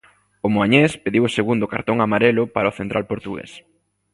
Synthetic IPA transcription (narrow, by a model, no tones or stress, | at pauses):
ʊmoaɲespeðiwoseɣund̪ʊka̰ɾt̪oŋamaɾelʊpaɾaoθent̪ɾʔalpoɾt̪uɣḛs